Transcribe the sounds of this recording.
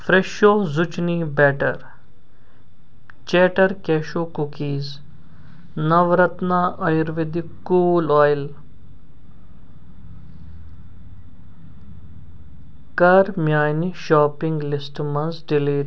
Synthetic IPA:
fɾeʃoːzʊt͡ʃnibɛːʈɐɾ | t͡ʃeːʈɐɾkeːʃoːkukiːz | nɐʋɾɐt̪naːʔɐjɾʋed̪i | kuːlɔːjl | kɐɾmjaːjniʃaːpɪ̃ŋɡlɪsʈmɐnzɖiliːɾ

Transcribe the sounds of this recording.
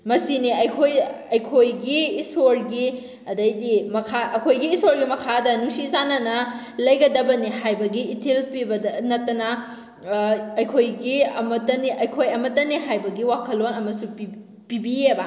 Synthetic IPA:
mɐsiniɐjkʰoj | ɐjkʰojɡiːsoɾɡi | ɐdɐjdimɐkʰaɐkʰojɡiːsoɾɡimɐkʰadɐnuŋsizanɐnɐ | lɐjɡɐdɐbɐniɦajbɐɡiːtʰelpibɐdɐnɐtːɐnɐ | ɐjkʰojɡiɐmɐtːɐniʔɐjkʰojɐmɐtːɐniɦajbɐɡiwakʰɐlːonɐmɐsui | pibiebɐ

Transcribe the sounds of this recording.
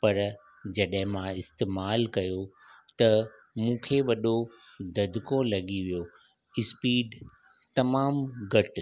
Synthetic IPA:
pɐɾ | d͡ʑɐɗɦɪ̃mãɪst̪eːmaːlkɐjot̪ɐ | mũːkʰeʋɐɗo | d̪ɐd̪ʱɪkolɐɠiʋijo | ɪspiːɖ | t̪ɐmaːmɡɐʈ

